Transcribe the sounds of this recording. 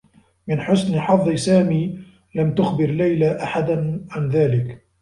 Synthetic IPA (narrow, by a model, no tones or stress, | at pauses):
mɪnħʊsnħɑðˤːɨsaːmiː | lamt̪ʊxbɪɾlajlaʔaħad̪anʕanðaːlɪk